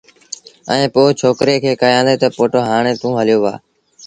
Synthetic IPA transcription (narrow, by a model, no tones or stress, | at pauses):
ɛ̰̃ːpoːt͡ʃʰoːkɾeːkʰeːkəjãːnd̪eːt̪əpoːʈoːɦaːɳ̃ẽːt̪ũːɦəlɪjoːʋa̰ː